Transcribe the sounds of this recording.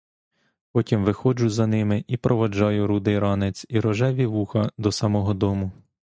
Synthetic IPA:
pɔtʲimʋɪxɔd͡ʒʊzɐnɪmɪʔipɾʔɔʋɐd͡ʒɑjʊɾud̪ɪjɾɑnɪt͡sʲiɾɔʒɛʋʲiʋuxɐd̪ɔsɐmɔɦɔd̪ɔmʊ

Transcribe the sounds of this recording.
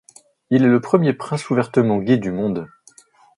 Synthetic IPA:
ilɛləpχəmjepχɛ̃suvɛʁt̪əmɑ̃ɡʲed̪ymɔ̃d̪

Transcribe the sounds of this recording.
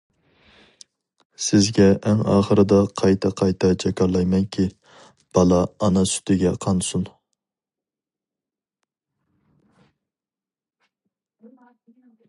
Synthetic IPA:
sɪzɡʲɛʔːŋɑ̰ːχəɾɨd̪ɑqʰɑjt̪ʰɑqʰɑjt̪ʰɑt͡ʃʰɛkʲɑɾlˠɑjmɛŋkʲʰi | b̥ɑlˠɑːnɑsy̥t̪ʰɪɡʲɛqʰɑnsun

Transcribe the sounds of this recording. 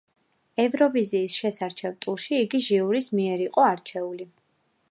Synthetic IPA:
ɛvɾɔviziːsʃɛsaɾt͡ʃʰɛvt̪ʼuʃiːɡiʒiuɾismiɛɾiqʼɔaɾt͡ʃʰɛuli

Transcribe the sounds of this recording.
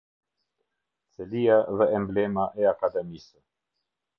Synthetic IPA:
t͡sɛlijaðɛːmblɛmaʔɛakad̪ɛmisə

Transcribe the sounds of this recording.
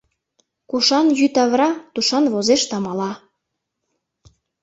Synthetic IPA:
kuʃɑnjyt̪ɑβrɑt̪uʃɑnβozeʃt̪ɑmɑlɑ

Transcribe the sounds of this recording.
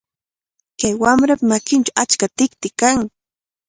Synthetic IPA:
kajwamɾapamakɪnʈ͡ʂawat͡ʃkat̪ɪk̚t̪ɪkaŋ

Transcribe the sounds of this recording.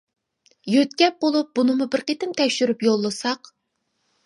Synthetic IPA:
jøt̪kʲɛp̚bolˠup̚bunɨmubɪɾqet̪ɪnt̪ʰɛkʲʃyɾypjolˠːɨsɑq

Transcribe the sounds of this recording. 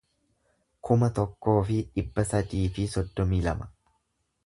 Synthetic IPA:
kʰʊmɐt̪ɔkːo̞ːfɪᶑɪbːɐsɐd̪iːfɪsɔd̪ːɔmiːlɐmɐ

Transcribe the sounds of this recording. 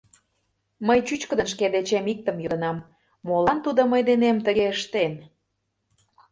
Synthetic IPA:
məjt͡ɕyt͡ɕkə̆d̪ənʃ̬ked̪et͡ɕemik̚t̪ə̆mjod̪ə̆nɑmː | olɑnt̪ud̪oməjd̪enemt̪əɣeəʃt̪en

